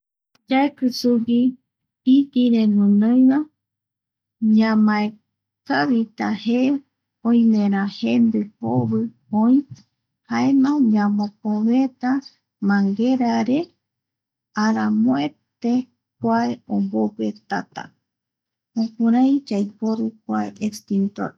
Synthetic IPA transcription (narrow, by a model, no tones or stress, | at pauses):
d͡ʒaekɨsuɡi | it̪iɾẽnũnõjβã | ɲãmãe | kaβit̪ahe | õj̃mẽɾ̃ãhend̪ɨpoβɨ | õj̃ | haemãɲãmõpõβet̪a | mãŋɡeɾaɾe | aɾamõet̪e | kʷaeombopet̪a̰t̪a̰ | õkuɾãj̃d͡ʒajpoɾukʷaeʔekst̪int̪o̰ɾ